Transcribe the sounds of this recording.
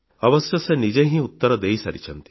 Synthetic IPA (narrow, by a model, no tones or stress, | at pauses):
ɐʋɐsjɐsenid͡ʒẽɦĩut̪ːɐɾɐd̪ejsɐɾit͡ʃʰɐnt̪i̥